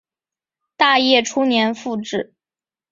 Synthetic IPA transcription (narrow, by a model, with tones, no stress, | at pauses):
t̪a˥˧jɛ˥˩ʈ͡ʂʰu˥njɛ˧˥nfu˥˧ʈ͡ʂɻ̩˥˩